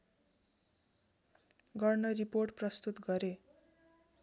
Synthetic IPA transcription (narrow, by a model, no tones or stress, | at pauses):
ɡʌrnʌriporʈprʌst̪ut̪ɡʌɾe